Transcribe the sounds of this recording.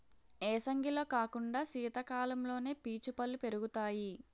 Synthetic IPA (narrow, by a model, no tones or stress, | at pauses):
eːsɐŋɡʱilo̞ːkaːkuɳɖaːsiːt̪ɐkaːlɐmlo̞ːne̞ːpiːt͡ʃupɐlːupe̞ɾuɡut̪aːji